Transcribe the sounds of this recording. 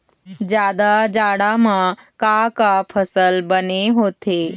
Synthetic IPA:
d͡ʒjaːd̪ad͡ʒaːɽamãkakapʰəsəlbəneɦoːt̪eː

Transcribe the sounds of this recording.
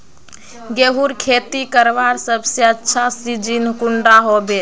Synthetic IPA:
ɡeɦuɾkʰet̪ikəɾʋaɾsəbʱsjəətːʃʰasid͡ʒinkuɳɖaɦobe

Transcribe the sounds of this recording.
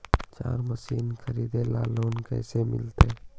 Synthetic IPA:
t͡ʃaːɾməsiːnkʰəɾiːd̪elaːloːnkɛ̰ːsemɪ̰lt̪eː

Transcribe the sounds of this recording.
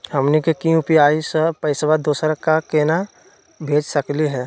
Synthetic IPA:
hɐmnikekĩʊpijaːisəpəɪsʋad̪oːsəɾkakeːna | bʱeːd͡ʒsəkliɦɛː

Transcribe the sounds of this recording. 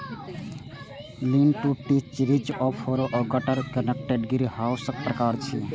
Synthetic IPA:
liːnʈuʈit͡ʃɾit͡ʃɔpʰoːɾoʔɔːɡəʈəɾkənək̚ʈeɖɡiɾihaːwsək̚pɾəkaːɾt͡ʃʰiː

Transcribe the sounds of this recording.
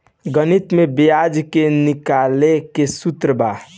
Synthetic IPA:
ɡənit̪mebijad͡ʒkenikalekesut̪ɾəba

